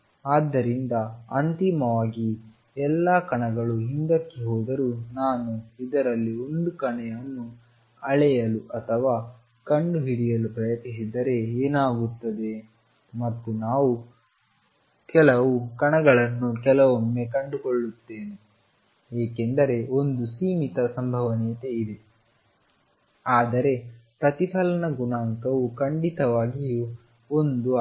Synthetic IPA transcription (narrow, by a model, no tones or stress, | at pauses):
aːd̪ːɐɾind̪ɐɐ̰nt̪imɐʋaːɡi | ɛlːaːkɐɳɐɡɐɭuɦind̪ɐkːeɦoːd̪ɐɾunaːnuid̪ɐɾɐlːio̞nd̪ukɐɳɛjɐnːu | ɐɭɛjɐluʔɐt̪ʰɐʋaː | kɐɳɖuɦiɽijɐlupɾɐjɐt̪is̬id̪ɐɾe̞eːnaːɡut̪ːɐd̪e̞ | mɐt̪ːunaːʋu | kɛlɐʋukɐɳɐɡɐɭɐnːukɛlɐʋomːe̞kɐɳɖukoɭːut̪ːeːne | eːkend̪ɐɾe̞ond̪usiːmit̪ɐsɐmbʱɐʋɐniːt̪eid̪e̞ | aːd̪ɐɾe̞pɾɐt̪ipʰɐlɐnɐɡunaːŋkɐʋukɐɳɖit̪ɐʋaːɡiju | ond̪u